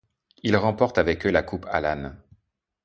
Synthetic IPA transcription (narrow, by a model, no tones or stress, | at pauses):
ilʁɑ̃pɔʁt̪avɛkølakʰupʰa̰lan